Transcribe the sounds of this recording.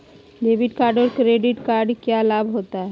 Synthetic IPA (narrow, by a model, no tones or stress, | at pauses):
ɖebiʈkaːɾɖoɾkɾeɖiʈkaɾɖkjalabɦot̪aɦɛ